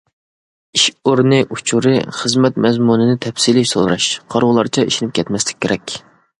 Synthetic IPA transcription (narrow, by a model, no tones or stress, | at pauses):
iʃoɾnɨʔut͡ʃʰuɾɨχəzmɛt̪mɛzmunɨnɪt̪ʰɛpsilɪʃso̰lˠɾɑʃqʰɑɾʁʊlˠɑɾt͡ʃʰɛiʃinɪp̚kʲɛt̪mɛslɪ̥kʲʰːeɾɛkʲ